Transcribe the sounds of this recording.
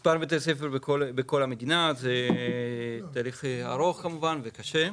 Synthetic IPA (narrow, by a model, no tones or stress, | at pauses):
spaɾbet̪esefeɾbekolbeko̞lhamed̪inatze | taːliχaɾo̞χkamuvanvekaʃe